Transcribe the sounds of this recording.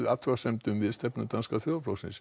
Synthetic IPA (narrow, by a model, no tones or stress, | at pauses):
ʏat̪ʰvasɛmt̪ʏmvɪðst̪ɛpnʏt̪anskaθjoːðaflowsɪ̰ns